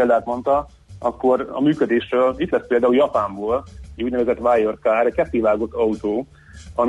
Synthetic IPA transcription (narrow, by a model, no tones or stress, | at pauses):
eːld̪aːt̪mo̞nt̪ɒ | ɒkːo̞ɾɒ̰myːkød̪eːʃrøːlit̪lɛspeːld̪aːuljɒpaːɱboːlɛɟuːɟnɛvɛzɛt̪ʋaːjorkaːɾɛckɛt̪ːiʋaːɡo̞t̪ːɒut̪oː | ɒ